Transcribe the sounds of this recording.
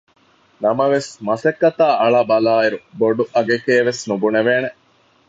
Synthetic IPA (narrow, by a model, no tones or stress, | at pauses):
nɐmɐʋesmɐsekːɐt̪aːʔɐɭabɐlaːiɾuboɖuʔɐɡekeːʋesnubuneʋeːne